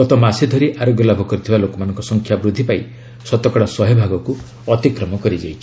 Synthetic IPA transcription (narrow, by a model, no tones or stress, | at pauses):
ɔt̪ɔmasid̪ʱɔɾiʔaɾoɡjɔlabʱɔkɔɾit̪ʰibalokɔmanɔ̃ŋkɔsɔŋkʰjabɾud̪ʱːipai | sɔt̪ɔkɔɽɔsɔɦebʱaɡɔku | ɔt̪ikɾɔmɔkɔɾid͡ʒajt͡ʃʰi̥